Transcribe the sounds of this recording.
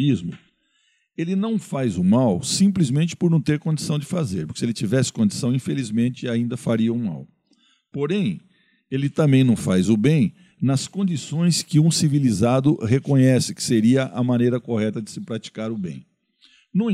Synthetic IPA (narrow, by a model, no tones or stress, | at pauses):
izmʊ̰ | elɪnɐ̃w̃fajzʊmawsĩmplizmẽnt͡ʃɪ̥pʊɾnɐ̃w̃t̪eɾkõnd͡ʒisɐ̃w̃d͡ʒɪfazeɾpʊɾkɪsɪelɪt͡ʃivɛsɪ̥kõnd͡ʒisɐ̃w̃ĩfelizmẽnt͡ʃɪaĩnd̪ɐfaɾiɐũma̰w | poɾẽj̃ | elɪt̪ɐ̃mbẽj̃nɐ̃w̃fajzʊbẽj̃ | nɐskõnd͡ʒisõj̃skɪũsivilizad̪ʊɦekõɲɛsɪkɪ̥seɾiɐʔɐmɐ̃nejɾɐkoɦɛt̪ɐd͡ʒɪsɪpɾat͡ʃi̥kaɾʊbḛ̃j̃ | nũ